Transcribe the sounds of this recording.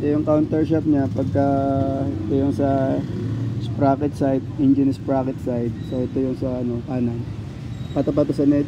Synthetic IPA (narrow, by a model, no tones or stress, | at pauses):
ʔɛjʊŋkawnt̪ɛɹʃap̚ɲapɐɡ̚kɐɛt̪ojʊŋsɐ | spɾaːkɛt̪̚sajd̪̚ɪnd͡ʒɪnɪspɹaːkɛt̪sajd̪̚soʔɛt̪ojʊŋsɐʔɐno̞ʔaːnɐn | pɐt̪ɐp̬ɐt̪osɐnɛ